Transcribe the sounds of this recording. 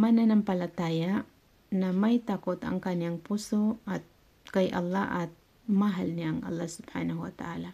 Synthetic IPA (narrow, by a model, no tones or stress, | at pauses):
mananampalat̪aja | namajt̪akot̪a̰ŋkaniaŋpusoat̪̚ | kajʔɐ̰lːaʔat̪̚ | maɦalniaŋɐ̰lːahsʊb̥ha̰naɦuwat̪aʔala